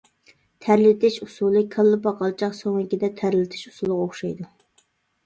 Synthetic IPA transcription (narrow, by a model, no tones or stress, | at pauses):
t̪ʰæɾlɪt̪ʰɪʃusulˠɨkʰɑlˠːɨpɑqʰɑlˠt͡ʃʰɑqsoŋɨkʲid̪ɛt̪ʰæɾlɪt̪ʰɪ̥ʃu̥sulˠʁoχʃɑjd̪u